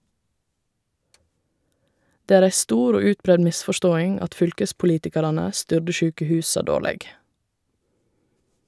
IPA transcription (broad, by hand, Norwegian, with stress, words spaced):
ˈdeː ˈæːɹ ˈæɪ ˈstuːɾ ˈoː ˈʉːtˌbɾɛd ˈmɪsfɔˌʃtoːɪŋ ˈɑt ˈfʏlkəspʊˌliːtɪkɑɾɑnə ˈstʏɖə ˈʃʉːkəˌhʉːsɑ ˈdoːlɛɡ